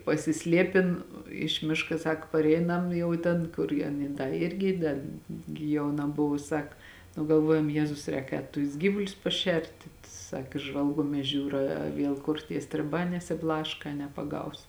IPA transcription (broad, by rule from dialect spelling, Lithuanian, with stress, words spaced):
pɐsʲɪˈsʲlʲiɛpʲɪn ɪʃ ˈmʲɪʃkɐ ˈsɑːkoː pɐrʲˈɛɪnɐm ˈjɛʊ tʲɛn kʊr jɛ ɐˈnʲiː ˈdɐ ˈɪrʲɡʲɪ dɐ ɡʲɪ jɛʊˈnɐ ˈbʊʋʊ ˈsɐk nʊ ɡɐlˠˈʋuɔjɛm ˈjeːzʊs ˈrʲɛːk ˈɛːt tʊs ˈɡʲiːʋʊlʲʊs pɐˈʃʲɛrʲtʲɪ ˈsɐk ˈʒʋɐlˠɡuɔmʲiɛs ˈʒʲuːrɐ ɐ ˈʋʲiɛlˠ kʊr tʲiɛ sʲtʲrʲɪˈbɑː nʲɛsʲɪˈblˠɑːʃkɐ ɐ nʲɛpɐˈɡɐʊs